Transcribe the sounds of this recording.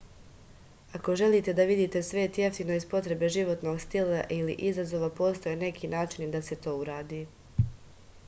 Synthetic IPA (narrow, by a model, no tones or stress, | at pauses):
ako̞ʒe̞liːt̪e̞d̪aʋid̪iːt̪e̞sʋe̞ːt̪je̞ft̪ino̞izpo̞t̪ɾe̞be̞ʒiʋo̞t̪no̞ɡst̪ilaʔilḭʔizazo̞ʋapo̞ːst̪ojene̞kʰiːnaːt͡ʃind̪ase̞t̪o̞ːuɾaːd̪iː